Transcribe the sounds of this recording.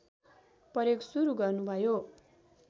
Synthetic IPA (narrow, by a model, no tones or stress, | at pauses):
pʌɾjeksuɾuɡʌrnubʱʌjo